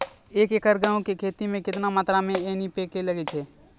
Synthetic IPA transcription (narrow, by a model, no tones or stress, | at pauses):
eːkekəɾɡaːõkekʰeːt̪imẽkɪt̪namaːt̪ɾamẽenipekeləɡet͡ʃʰɛː